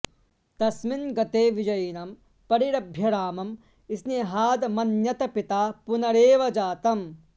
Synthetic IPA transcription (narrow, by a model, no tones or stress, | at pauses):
t̪ɐsminɡɐt̪eːʋid͡ʒɐjnɐm | pɐɾiɾɐbʱjɐɾaːmɐm | isneɦaːd̪mɐnjɐt̪ɐpit̪aːpunɐɽeːʋɐd͡ʒaːt̪ɐm